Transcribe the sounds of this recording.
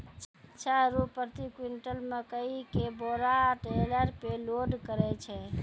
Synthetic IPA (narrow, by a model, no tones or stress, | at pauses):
t͡ʃːt͡ʃʰaɾupːəɾt̪ikwiɳʈəlmekəikeboɾaʈeləɾpeloɖkəɾɛt͡ʃʰɛ